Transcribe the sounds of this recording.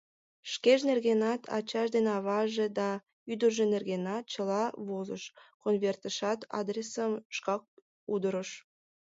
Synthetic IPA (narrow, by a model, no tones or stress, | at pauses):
ʃkeʒnerɣenɑt̪ʰɑ̰t͡ɕɑʃd̪enɑβɑʒed̪ɑ | yd̪ərʒenerɣenɑt̪̚t͡ɕəlɑβozə̰ʃkonvʲert̪əʃɑt̪ɑ̰d̪rʲesəmʃkɑk̚ | ud̪əɾəʃ